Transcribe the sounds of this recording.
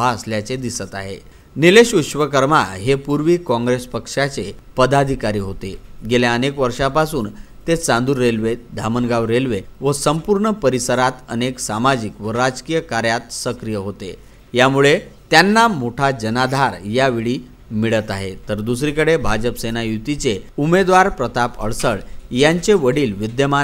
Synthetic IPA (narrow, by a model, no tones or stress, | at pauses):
aəsljat͡sed̪isət̪a̰ɦḛ | nileɕut̪ɕʋəkəɾma̰ɦepuɾʋiːkɔ̃ŋɡɾespəkʂat͡sepəd̪ad̪ʱikaɾiːɦot̪eɡeljaənekʋəɾʂapasuːn | t̪et͡sãnd̪uːɾːelʋed̪ʱamənɡaʋɾelʋeʋəsəmpuɾɳəpəɾisəɾat̪ə̰neksamad͡ʑikʋəɾad͡zkiːjəkaɾjat̪səkɾijəɦot̪ḛ | jamuɭet̪janːamoʈʰad͡ʑənad̪ʱaɾjaʋiɭiː | miɭət̪aɦḛt̪əɾd̪us̬ɾikəɽebʱad͡ʑəpsenajut̪it͡seumed̪ʋaɾpɾət̪apə̰ɭsəɭjaɲt͡seʋəɽiːlʋid̪jəma